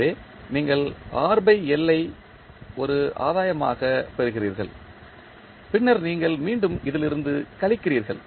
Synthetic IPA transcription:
eː | niːŋɡɐɭaːɾbɐɪɛlːɐɪ | ɔɾɯʔa̰ːðaːjɐma̰ːɣɐpɛɾɯɣɪriːɾɣɐ̰ɭ | pɪɳːɐɾniːŋɡɐɭmiːɳɖɯmɪðɪlɪɾɯnd̪ɯkɐɭɪkːɪriːɾɣɐ̰ɭ

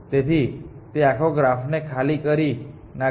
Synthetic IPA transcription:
t̪et̪ʰit̪eakʰoɡɾafnekʰalikəɾi | na

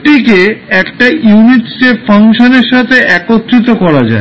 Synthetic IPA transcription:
ʈikeɛkʈajuniʈsʈeʈfaŋʃoneɾʃat̪ʰeʔɛkot̪ːɾit̪okɔɾad͡ʑa̰e

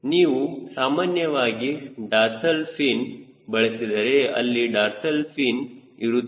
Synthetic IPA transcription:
niːʋusaːmaːnjɐʋaːɡiɖaːɾsɐlpʰiːn | bɐɭesid̪ɐɾeɐ̰lːiɖaːɾsɐlpʰiːniɾu

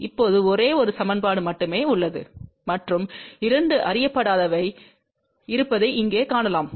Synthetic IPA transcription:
ɪpːoːðɯɔɾeːɔɾɯsɐmɐnpaːɽɯmɐʈːɯmeːʊɭːɐðɯ̰ | mɐʈrɯmɪɾɐɳɖɯʔɐɾɪjɐpːɐɽaːðɐʋɐɪ | ɪɾɯpːɐðɐɪʔɪŋɡeːkaːɳɐlaːm

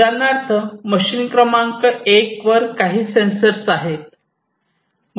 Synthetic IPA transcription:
anaɾt͡səməɕiːnkɾəmãŋkəʔekʋəɾkaɦiːsensəɾsaɦet̪̚ | m

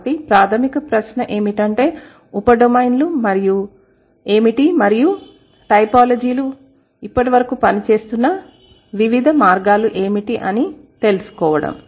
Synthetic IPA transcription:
ʈipɾaːt̪ʰɐmikɐpɾɐʃnɐʔe̞ːmiʈɐɳʈe̞ː | upɐɖomɐjnlumɐɾiju | e̞ːmiʈimɐɾiju | ʈɐjpaːlɐd͡ʒiːlu | ipːɐʈiʋɐɾɐkuːpɐnit͡ʃe̞ːst̪unːɐ | ʋiʋid̪ʱɐmaːɾɡaːluʔe̞ːmiʈiʔɐnit̪e̞lusu̥kɔːʋɐɽɐ̰m

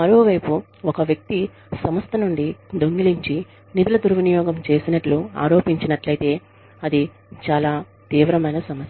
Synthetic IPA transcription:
mɐɾo̞ːʋɐjpu | ɔkɐʋjɐk̚t̪i | sɐmɐst̪ʰɐnuɳɖid̪oŋɡiliɲt͡ʃi | nid̪ulɐd̪uɾʋɐnijɔːɡɐmt͡ʃe̞ːsinɐʈlua̰ːɾo̞ːpiɲt͡ʃinɐʈlɐjt̪e̞ː | ɐd̪i | t͡ʃaːlaː | t̪iːʋɾɐmɐjnɐsɐmɐsjɐ

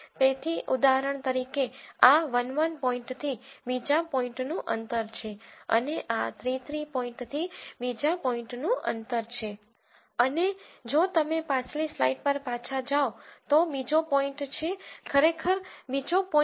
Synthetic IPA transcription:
t̪et̪ʰiʔud̪aɦəɾəɳ̃t̪əɾikeaʋənʋənpɔĩɳʈt̪ʰibid͡ʒapɔĩɳʈnũʔənt̪əɾt͡ʃʰeə̰neʔat̪ɾit̪ɾipɔĩɳʈt̪ʰibid͡ʒapɔĩɳʈnũʔə̰nt̪əɾt͡ʃʰe | əned͡ʒot̪əmepãt͡ʃlislaiʈ̚pəɾpat͡ʃʰad͡ʒaot̪obid͡ʒopɔĩɳʈt͡ʃʰekʰəɾekʰəɾbid͡ʒopɔ

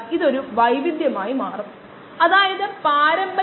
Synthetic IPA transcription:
iðo̞ɾuʋɐjʋid̪jɐmaːjimaːrɐmː | ɐðaːjɐðɨpaːɾɐmbɐ

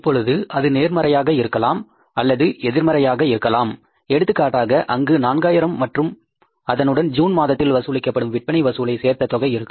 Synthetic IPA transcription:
pːɔɻɯðɯʔɐðɯneːɾmɐɾɐjaːɣɐɪɾɯkːɐlaːm | ɐlːɐðɯɛðɪɾmɐɾɐjaːɣɐɪɾɯkːɐlaːm | ɛɽɯt̪ːɯkːaːʈːaːɣɐʔɐŋɡɯnaːnɡaːjɪɾɐmːɐʈrɯm | ɐðɐnɯɽɐnd͡ʒuːnmaːðɐt̪ːɪlʋɐsɯlɐɪkːɐpːɐɽɯmʋɪʈ̚pɐɳɪʋɐsɯlɐɪseːɾt̪ɐt̪ɔɣɐjɪɾɯkːɯ

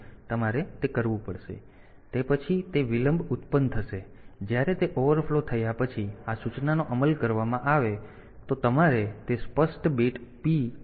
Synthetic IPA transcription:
t̪əmaɾet̪ekəɾʋũpəɽʃḛ | t̪epət͡ʃʰit̪eʋiləmbʱʊt̪pənt̪ʰəʃe | d͡ʒjaɾet̪eʔoʋəɾflot̪ʰəjapət͡ʃʰiasut͡ʃnanoʔəməlkəɾʋamãʔaʋe | t̪ot̪əmaɾet̪espəsʈbeʈpi

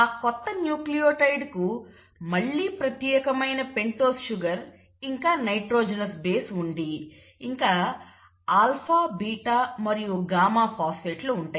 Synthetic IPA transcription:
aːkɔt̪ːɐnjuːklijoːʈɐjɖku | mɐɭːiːpɾɐt̪jɛːkɐmɐjnɐpe̞ɳʈoːsʃuɡɐɾ | iŋkaːnɐjʈɾoːd͡ʒɐnɐsbe̞ːsuɳɖi | iŋkaː | aːlpʰaːbiːʈaːmɐɾijuɡaːmaːpaːspeːʈluːɳʈaːj

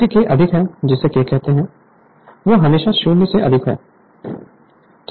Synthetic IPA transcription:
ikeʔɐd̪ʱɪkɦɛːd͡ʒɪsːekekɛɦt̪eɦɛ̃ | ʋoːɦɐmeːʃaʃuːneseʔɐ̰d̪ʱɪkɦɛ̰ː | t̪

